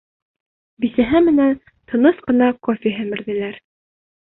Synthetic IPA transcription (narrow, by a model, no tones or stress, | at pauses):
bisæɦɘmɘ̆næn | t̪ʰɤ̆nɤsqɤ̆nɑqofʲiɦɘmɘ̆ɾðɘ̆læɾ